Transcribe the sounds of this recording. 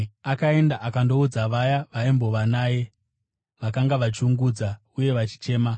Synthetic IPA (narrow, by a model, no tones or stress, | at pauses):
akae̞ndaʔakando̞ud͡zaʋajaʋaimbo̞ʋanaːje̞ | ʋakaŋɡaʋat͡ʃiuŋɡuːd͡za | uje̞ʋat͡ʃi̥t͡ʃe̞ːma